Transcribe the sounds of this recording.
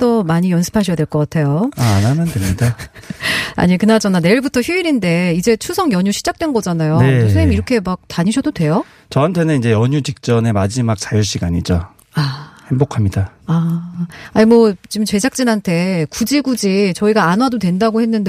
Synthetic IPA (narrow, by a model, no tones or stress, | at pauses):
t͈ʌmaɲijʌnsʰɯ̥pʰaɕʰijadweɭk͈ʌk͈atʰe̞joaːnamʌndwemɲida | a̰ɲikɯnad͡ʑʌnane̞iɭbutʰʌçjuiɾinde̞id͡ʑe̞t͡ɕʰusʰʌŋjʌɲuɕʰid͡ʑak̚t͈we̞nɡʌd͡ʑanajotosʰeimiɾʌkʰe̞mak̚taɲiɕʰʌdodwe̞jo | t͡ɕʌɦantʰe̞nɯnid͡ʑe̞jʌɲud͡ʑik̚t͡ɕ͈ʌne̞mad͡ʑimak̚t͡ɕajuɕ͈iɡaɲid͡ʑo | ahe̞mbokʰamɲidaa | aɲimwʌt͡ɕimt͡ɕe̞d͡ʑak̚t͡ɕ͈inɦantʰe̞kud͡ʑiɡud͡ʑit͡ɕʌiɡaanwadodwe̞ndaɡohenːɯnde